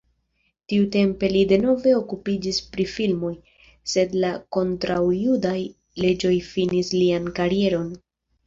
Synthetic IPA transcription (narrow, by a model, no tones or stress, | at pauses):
tiute̞mpe̞lide̞no̞ve̞o̞kupid͡ʒispɾifilmo̞j | se̞dlako̞ntɾawjudaj | le̞d͡ʒo̞jfinisliankaɾie̞ɾo̞n